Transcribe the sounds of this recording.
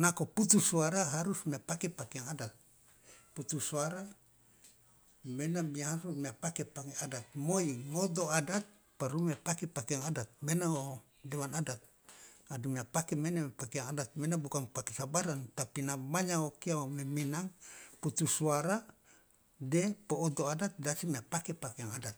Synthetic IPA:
nakoput̪usuaɾaɦaɾusmiapakepakeaŋadat̪̚ | put̪usuaɾa | menamiaɦaɾumiapakepakeadat̪̚moiŋod̪oadat̪̚ | paɾumiapakepakeaŋadat̪̚menao | dewanadat̪̚ | adumiapakemenapakeaŋadat̪̚menabukaŋpakesabaɾant̪apinamaɲaokiaomeminaŋput̪usuaɾa | dɛpoːd̪oadat̪̚dasimiapakepakeaŋadat̪̚

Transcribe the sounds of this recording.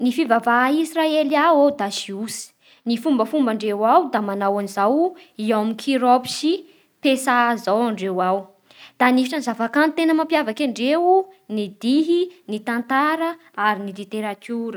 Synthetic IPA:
nifivavaisraeliawawd̪asiusi̥ | nifumbəfumbaɳɖ͡ʐewawd̪amanawanizawiawamikʰiɾopi̥ʃi | pesazawaɳɖ͡ʐewaw | d̪̥anifiʈ͡ʂanzavakant̪enəmampjavakaɳɖ͡ʐewunid̪iɦinit̪ant̪aɾə | aɾinilit̪eɾat̪uɾə

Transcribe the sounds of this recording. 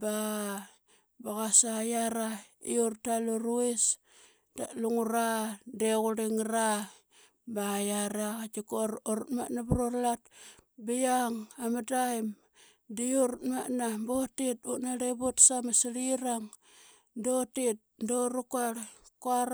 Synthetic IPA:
ba | baɣasajaɾaḭurtaluɾuis | da̰ʔluŋuɾadeɣuɾiŋɾa | bajaɾaat͡ʃikoɾɾutma̰nabɾolat̚bijaŋamadajm | dioɾutmaʔnabotitṵʔnaɾebutsamasiɾiɾaŋ | dotit̚ndoɾukaɾkuaɾ

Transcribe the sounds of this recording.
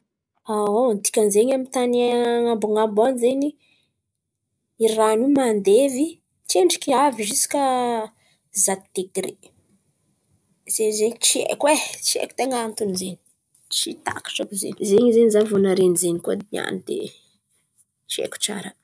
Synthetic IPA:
awont̪i̥kʲanzeɲamint̪anaŋamboŋambonizeɲi | iranumand̪evi | t͡ʃieɳɖ͡ʐi̥kiaviʒisi̥ka | zat̪i̥t̪ekiɾḛ | z̥ezeɲit͡siḛkwet͡siḛku̥t̪eŋant̪unizeni̥ | t͡ʃit̪a̰kḁʈ͡ʂakuzḛɲizeɲizenizavunaɾenizenikud̪ia̰nid̪ḛ | t͡ʃiḛku̥t͡ʃa̰ɾə

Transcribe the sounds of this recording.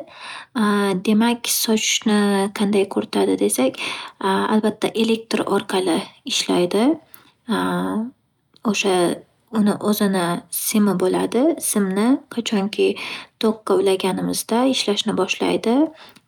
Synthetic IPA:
d̪e̞makʲsɒt͡ʃʰɪ̥ʃnɪqʰɑnd̪ajkʰɵɾɪt̪ʰad̪ɪd̪e̞sakʲa̰lbat̪ʰːaʔe̞le̞k̚t̪ɾɒ̰ɾqʰɑlˠɪɪʃlajd̪ɪ | oʃa | ʊnɪʔozɪnɪsɪmɪbolad̪ɪsɪmnɪqʰat͡ʃʰɒŋkʲʰɪt̪ʰoqːɑlaɡʲanɪmɪzd̪aɪʃlaʃnɪbɒʃla̰jd̪ɪ

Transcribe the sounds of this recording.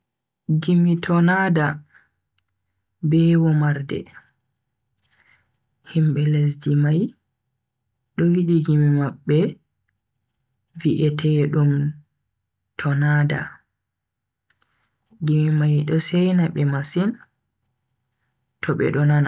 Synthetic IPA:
ɡimitʰɔnada | bɛwɔmaɾdɛ̰ | himɓɛles̬dimaj | ɗɔwiɗiɡimimaɓːɛ | viʔɛtʰɛjɛɗum | tʰɔnaːda̰ | ɡimimajɗɔsɛjnaɓɛmasin | tʰɔɓɛ̰ɗɔnana

